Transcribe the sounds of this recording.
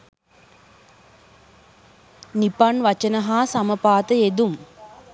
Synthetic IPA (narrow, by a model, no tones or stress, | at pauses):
nipanʋat͡ʃənəɦaːsaməpaːt̪əed̪um